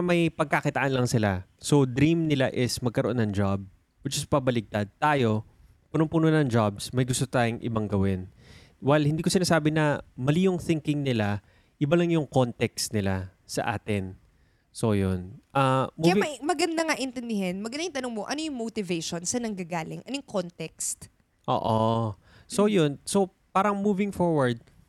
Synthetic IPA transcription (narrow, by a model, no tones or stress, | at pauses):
mɐjpɐɡ̚kakɪt̪ɐʔanlɐŋsɪlaso̞d̪ɾimnɪlaʔɪsmɐɡ̚kɐɾoʔo̞nːɐŋd͡ʒab̚ | ʊd͡ʒɐspɐbɐlɪk̚t̪ad̪̚t̪aːjo̞ | pʊnoŋpunonɐŋd͡ʒabsmɐjɡʊst̪ot̪aːjoŋʔɪ̰bɐŋɡɐwɪn | wɛlhɪnd̪iːkosɪnaːsaːbɪnɐmɐlijoŋθɪŋkɪŋnɪla | ʔɪbalɐŋjʊŋkont̪ɛkst̪nɪlasɐ̰ʔa̰ːt̪ɪn | so̞jonʔɐmuɐaɐmɐɡɐnd̪ɐŋaʔɪnt̪ɛnd̪ɪɦɛnmɐɡɐnd̪ajɪnt̪ɐnoŋmoʔɐnojʊŋmot̪ɪvejʃonsɐnɐŋɡɐɡaːlɪŋʔɐnojʊŋkont̪ɛkst̪ | ʔo̰ːʔo | so̞jonso̞ | paːɾɐŋmuːvɪŋfoɹwɐɹd̪̚